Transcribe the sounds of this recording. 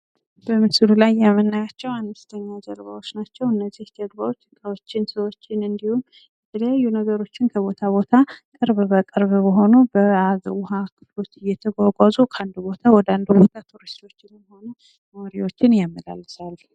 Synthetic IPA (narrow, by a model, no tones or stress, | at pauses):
bəmɨsɨlulajːamənːajat͡ʃːɛwanːɨst̪ʰəɲːad͡ʒə̰ɾβa̰wot͡ʃːnat͡ʃːɛwɨnːəzːihd̪əɡbawot͡ʃːɨkʼawot͡ʃːɪnsəwo̞t͡ʃːɪnɨnd̪ihum | ət̪ʰəlajajːunəɡəɾo̞t͡ʃːɪnkʰəβo̞t̪ʰaβo̞t̪ʰakʼɨɾβbəkʼɨɾβbəɦo̞nubəazwʊɦakʰɨ̥flo̞t̪ɪjɛt̪ʰəɡʷaɡʷazukʰəand̪ubo̞t̪ʰawɔd̪and̪ubot̪ʰat̪ʰuɾist̪ʰo̞t͡ʃːɪnjho̞nu | moɾiwo̞t͡ʃːɪnjamːəla̰lːɨsal